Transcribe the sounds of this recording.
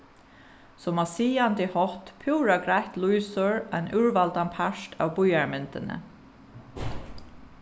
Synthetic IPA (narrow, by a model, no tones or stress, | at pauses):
sɔmasiːant̪ɪhɔht̪pʰuwɾaɡɾajht̪lujsʊɹanʔʉɹvalt̪anpʰaʂt̪a̰wbʊjaɹmɪnt̪ɪnə̰